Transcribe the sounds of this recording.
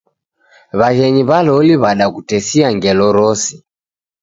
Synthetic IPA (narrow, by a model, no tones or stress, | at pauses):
βaɣɛɲiβalɔliβaɗakutɛsiaŋɡɛlɔɾɔsi